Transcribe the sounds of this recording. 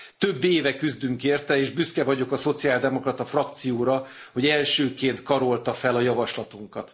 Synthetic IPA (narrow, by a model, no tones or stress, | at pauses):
t̪øbːeːvɛkyzd̪yŋkeːrt̪ɛeːʒbyskɛvɒɟo̞kɒso̞t̪siaːld̪ɛmo̞krɒt̪ɒfrɒk̚t̪sijoːɾɒ | ho̞ɟɛlʃøːkeːnt̪kɒɾo̞lt̪ɒfɛlɒjɒvɒʃlɒt̪uŋkɒt̪